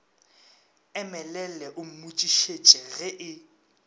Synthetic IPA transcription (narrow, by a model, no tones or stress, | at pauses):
ɛmɛlɛlɛʔʊm̩mut͡ʃʼiʃet͡ʃʼɛɣɛʔɪ